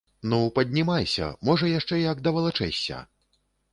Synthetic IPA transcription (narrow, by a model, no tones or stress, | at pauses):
nupɐd̪ʲnʲimajsʲɐ̰mɔʐɐjaʂt͡ʂɛjakd̪ɐvɐlˠat͡ʂɛ̰sʲːɐ̰